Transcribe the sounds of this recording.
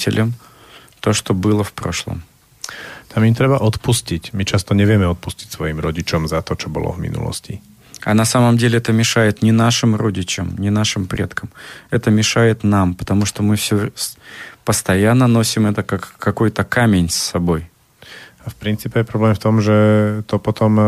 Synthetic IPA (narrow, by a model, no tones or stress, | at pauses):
tʲɪ̰lʲəm | t̪o̞ʂt̪obɨlˠəfpɾo̰ʂlˠə̰m | t̪ʰamimt̪ɾɛbaʔɔt̪puscicmit͡ʃast̪ɔɲɛʋɪjɛmɛɔt̪̚pusci̥csʋɔjimɾɔɟit͡ʃɔmzat̪ɔt͡ʃɔbɔ̰lɔ̰vmḭnṵlɔ̰sci | anɐsaməmdʲelʲɪɛt̪əmʲɪʂajɪt̪nʲɪnaʂɨmɾodʲɪt͡ɕəmnʲɪnaʂɨmpɾʲʔe̞t̪kəmɛt̪əmʲɪʂajɪt̪nampə̥t̪ɐmuʂt̪omɨfsʲo | pəst̪ɐjanːəno̞sʲɪmɛt̪əkakːɐkojt̪əkamʲenʲsːɐbo̞j | afpɾʲintt͡siːpʲɛjɛpɾɔblɛːmft̪ɔmʒɛt̪ɔpɔt̪ɔm